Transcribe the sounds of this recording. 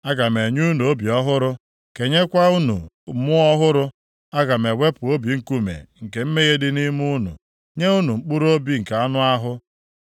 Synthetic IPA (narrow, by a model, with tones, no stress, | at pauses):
a˦ɡa˨me˨ɲu˦nu˨o˦bi˨ɔ˦ɦʊ˦ɾʊ˦ | ke˨ɲe˦kʷa˦u˦nṵ˨˦ | mʊ˦ɔ˦ɦʊ˦ɾʊ˦ | a˦ɡa˨me˨we˦pʊ˨o˦bi˨ŋ̩˦ku˦mḛ˨ŋ̩˨ke˨m̩˦me˦ɣe˦dɪ˦ni˦mu˦nṵ˨ | ɲe˦u˦nu˨ŋ͡m̩˦k͡pu˦ɾo˦bi˦ŋ̩˨ka˨a˦nʊ˦a˦ɦʊ˦